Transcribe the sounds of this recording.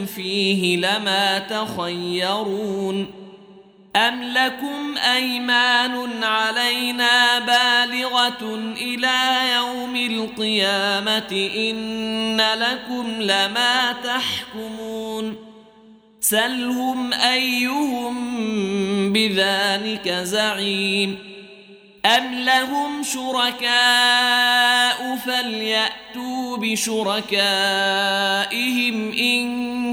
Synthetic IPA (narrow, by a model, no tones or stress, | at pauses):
fiːɦɪlamaːt̪axajːɑɾuːn | ʔamlakʊmʔajmaːnʊnʕalajnaːbaːlɪɣaʔɪlaːjawmɪlqɨjaːmaɪʔɪnːalakʊmlamaːt̪aħkʊmuːn | salhʊmʔajːʊhʊm | bɪðaːlɪkazaʕiːm | ʔamlaɦʊmʃʊɾɑkaː | ʔʊfaljaʔt̪uːbɪʃʊɾˤɑkaː | ʔɪhɪmʔɪn